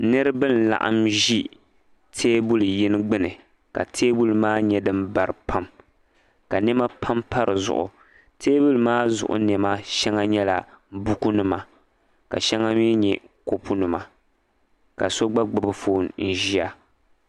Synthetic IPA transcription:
nɨ˦ɾɨ˦bɨ˦n̩˨la̰˨ʔa̰˦mʒi˦ | tʰeː˦bu˦lji˦nɨ˦ɡ͡bɨ˦nɨ˨ | ka̰˨tʰeː˦bu˦lmaː˦ɲɛ˦dɨ˦mba˨ɾɨ˨pʰa˦m | ka˨nɛ˦ma˦pʰa˦mpa˦ɾɨ˨zʊ̰˨ʔʊ̰˨ | tʰeː˦bu˦lmaː˦zʊ̰˨ʔʊ̰˨nɛ˨ma˦ʃɛ˦ŋa˦ɲɛ˦la̰˨bu˦ku˦nʊ˨ma˨ | ka̰˨ʃɛ˦ŋa˦miː˦ɲɛ˨ko˦pu˦nʊ˨ma˨ | ka˨so˦ɡ͡ba˦ɡ͡bɨ˨bɨ˦foː˦˨nn̩˨ʒi˦a˨

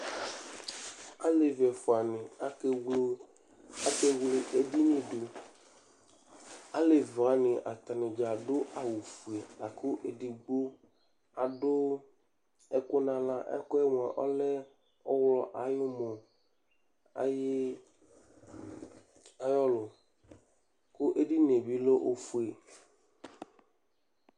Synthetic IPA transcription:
a˦le˨vɛ˨fo˨a˨nĩ˨a˨ke˨wlo˦ | a˨be˦wle˨ʔe˨di˦nĩ˦ɖo˨ | a˦le˨va˨nĩ˨ʔa̰˨t̪a˨nĩ˨d͡ʒa˨ɖo˦ʔa˨wu˨fu˨e˨a˨ko˦ʔe˨ɖi˨ɡ͡blo˦ | a˨ɖo˦ | ɛ˦ko˦nã˨lã˦ʔɛ̰˦kɔ˦ɛ˦m˨ã˨ʔɔ̰˦le˦ | ɔ˦wlɔ˨ʔa˨jo˦mɔ̃˨ | a̰˨je˦ | a˨jɔ˦lo˨ | ko˦ʔe˦ɖi˦ne˨bi˦lo˦ʔo˨fu˨e˨

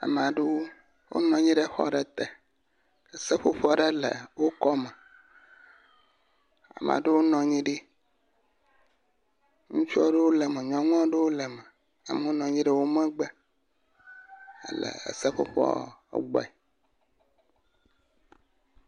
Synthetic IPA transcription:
a̰˨m˨a˨ɖe˦wo˦ | wo̰˦nɔ̃˨ɲĩ˦ɖe˦xɔ̰˦ɖə˦t̪ɛ˨ | ə˨sə˦ɸo˦ɸɔ˦ɖe˦lə̰˨wo˦kɔ˦mɛ̃˨ | a̰˨m˨ã̰˨ɖe˦wo˦nɔ̃˨ɲĩ˦ɖi˦ | ŋũ˦t͡ʃu˦ɔ˦ɖe˦wo˦lə˨mɛ̃˨ɲɔ̃˦ŋ˦a˦ɖe˦wo˦lə˨mə̃˨ | a̰˨me˨˦wo˦nɔ̃˨ɲĩ˦ɖe˦wo˦mɛ̃˦ɡ͡bə˦ | ə̰˦lə̰˨ḛ˨sə˦ɸo̰˦ɸɔ̰˦˨˦ɡ͡bɔ̰˨ɛ˨

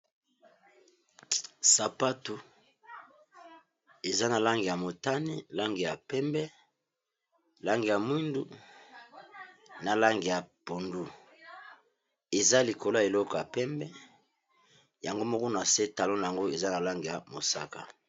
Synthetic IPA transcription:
sa˨pa˦tu˨ | e˨za˦na˨la˦ŋɡi˨ja˨mo˨ta˦ni˦la˦ŋɡi˨ja˨pɛ˦mbɛ˦ | la˦ŋɡi˨ja˨mwi˦ndu˦ | na˨la˦ŋɡi˨ja˨po˨ndu˦ | e˨za˦li˨ko˨lo˦a˨e˨lɔ˦kɔ˨ja˨pɛ˦mbɛ˦ | ja˨ŋɡo˦mɔ˦kɔ˦na˨se˦ta˨lɔ̃˦na˨a˨ŋɡo˦e˨za˦na˨la˦ŋɡi˨ja˨mo˨sa̰˦ka̰˨

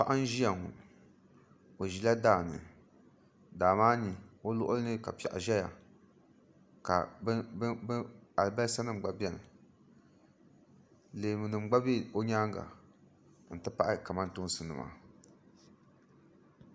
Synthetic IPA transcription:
pa˦ʔa˦n˦ʒi˦ja˨ŋṵ˨ | o˨ʒi˨la˦daː˦˨nɨ̰˨ | daː˨maː˦ɲi˨o˦lʊ̰˦ʔʊ˦lɨ˦nɨ˦ka̰˨pi˨a˨ʔa̰˨ʒɛ˦ja̰˨ | ka̰˨˦ | a˨bɛ˦sa˦nɨ˦m̩˨ɡ͡ba˨bi˦ɛ˦nɨ̰˨ | leː˨mɨ˨nɨ˨m˦ɡ͡ba˦bi˦o˦ɲaː˦ŋɡa̰˨ | n̩˨tɨ˦pa˦ʔɪ˦ka˨ma˦ntʊ˦sɨ˨nɨ̰˨ma̰˨

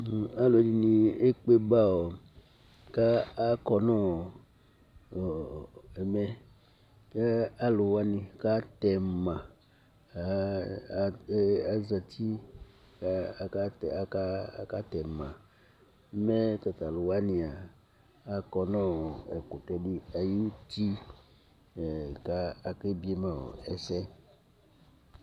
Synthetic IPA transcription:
a˦lo˨˦di˦nĩ˨e˦k͡pe˦ba˦wo˨ | kaː˦kɔ˨nɔ̃˦˨ | e˨mɛ˦ | e˦a˦lo˨wa˦nĩ˨ka˦t̪ɛ˨mã˨˦ | a˨za˨t̪ʰi˦˨ | ka˦˨a˨a˦ka˦t̪ɛ˨mã˨˦ | mɛ˦t̪a˨t̪a˨lo˨wa˦nĩ˨a˨ | a˦kɔ˦nã˦ɔ˨ɛ̰˨ko˨t̪ɛ˦di˦a˨ji˦t̪i˦˨ | ka˦a˨ke˦bi˦e˦mã˨wo̰˨ɛ˨sɛ˦

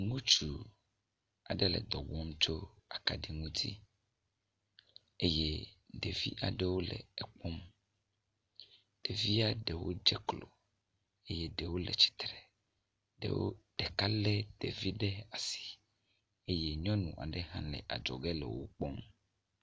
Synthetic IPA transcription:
ŋũ˦t͡ʃu˨ | a̰˨ɖɛ˦lɛ̰˨d̪ɔ˨ɡ͡bɔ˦mt͡ʃo˦a˨ka˨ɖi˨ŋũ˦t̪i˦ | e˦je˦ɖe˨vi˦ʔa˨ɖe˦wo˦lɛ̰˨ɛ˨k͡pɔ˦m | ɖ̥e˨vi˦a˦ɖɛ˨wo̰˦d͡ʒɛ˦klo˨ | e˦jɛ˦ɖe˨wo˦lɛ̰˨t͡ɕi̥˦t̪ɾɛ˨ | ɖḛ˦wo̰˦ɖ̥ɛ˨ka˦lɛ˦d̪̥e˨vi˦ɖɛ˦a˨si̥˨ | e˦jɛ˦ɲɔ̃˦nũ˨ʔa̰˨ɖɛ˦ɦã̰˦lɛ̰˨ʔa̰˨d͡ʒɔ̰˨ɡɛ˦lɛ̰˨wo̰˦k͡pɔ˦ŋ

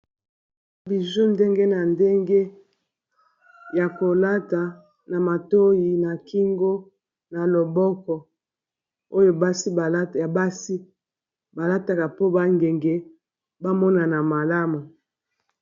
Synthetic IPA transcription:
bi˨zu˦nde˦ŋɡe˦na˨nde˦ŋɡe˦ | ja˨ko˨la˦ta˨ | na˨ma˨to˦ji˨na˨ki˦ŋɡo˦ | na˨lo˨bɔ˦kɔ˨ | o˦jo˦ba˦si˦ba˨la˨ba˦si˦ | ba˨la˦ta˨ka˨po˦ba˦ŋɡe˨ŋɡe˦ | ba˦mɔ˦na˨na˨ma˨la˦mu˨

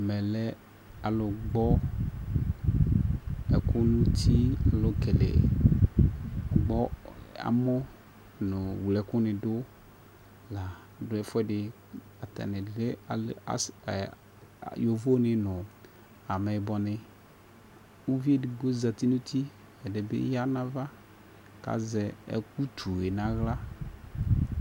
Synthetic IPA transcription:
a˨mɛ˨lɛ˦ | a˨lo˨ɡ͡bɔ˦ | ɛ˨ku˦nũ˦t̪ʰi˦a˨lo˨ke˨lḛ˨ | ɡ͡bɔ˦a̰˨mɔ̃˦ | nʊ̃˨wlɛ˨kʊ˦nɪ̃˨do˦ | la˨ | ɖo˨˦ɛ˦fɛ˦ɖɪ˨ | a˨t̪a̰˨nɪ̃˨le˦a˨˦a̰˨ | jo˨vo˦nɪ̃˨nʊ̃˨ | a˨mɛ˨bɔ˨nɪ̃˨ | wu˦vi˦e˦dɪ˨ɡo˦za˨t̪i˦nũ˦t̪ʰi˦ | ɛ˨de˨bḛ˦ja˦nã˦va˦ | ka̰˨zɛ˨ɛ̰˦k̚u˦t̪ʰu˨e˨nã˨˦ɣla˦

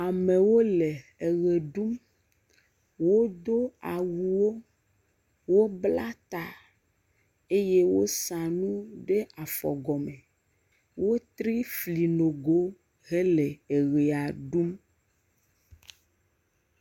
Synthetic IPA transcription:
a˨me˨wo˦le˨e˨ɣe˨ɖu˦m | wo˦d̪o˦a˨wu˨wo˦ | wo˦bla˦t̪a˨ | e˦je˦wo̰˦sã˨nũ˦ɖe˦a˨fɔ̰˨ɡɔ˨me˨ | wo˦t̪ɾi˦fli˨no˨ɡo˦ | ɦe˦le˨e˨ɣe˨a˨ɖu˦m

